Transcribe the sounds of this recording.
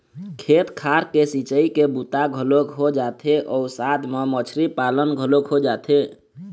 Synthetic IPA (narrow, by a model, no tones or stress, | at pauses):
kʰet̪kʰaɾkesit͡ʃəikebut̪aɡʱəlokɦod͡ʒat̪ʰeʔɔusad̪memət͡ʃʰɾipalənɡʱəlokɦod͡ʒat̪ʰe